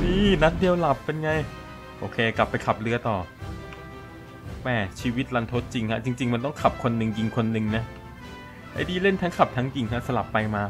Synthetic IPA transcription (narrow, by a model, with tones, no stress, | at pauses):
niː˧˩na˦˥t̪̚di˧əwla˨˩pːe˧nŋa˧j | ʔoː˧kʰeː˧kla˨˩pːa˧jkʰa˨˩p̚lɯ˦˥ɐt̪ɔː˨˩ | mɛː˧˩t͡ɕʰiː˧wi˦˥t̪̚la˧˥nt̪ʰo˦˥t̪̚t͡ɕi˧ŋkʰa˦˥ʔt͡ɕi˧ŋt͡ɕi˧ŋma˧nt̪ɔ˥˩ŋkʰa˨˩p̚kʰo˧nːɯ˨˧˩ŋt͡ɕi˧ŋkʰo˧nːɯ˨˧ŋna˦˥ | ha̰˧˩diː˧le˥˩nt̪ʰa˦˥ŋkʰa˨˩p̚t̪ʰa˦˥ŋt͡ɕi˧ŋkʰa˦˥sa˧la˨˩pːa˧jmaː˧